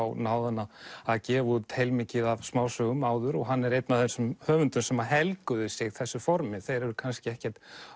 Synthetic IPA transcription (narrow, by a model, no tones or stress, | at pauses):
awnaːwðanaaðcɛːvut̪ʰhejlmɪcɪðavsmaːwsœɣʏmaːwðʏɾɔɣɦanːɛɾejt̪naθɛnsʏmhœːvʏnt̪ʏ̥sɛmaɦɛlkʏðɪsɪɣθɛsːʏfɔɾmɪθejɾɛɾʏɾkʰanscɪɛhcɛr̥t̪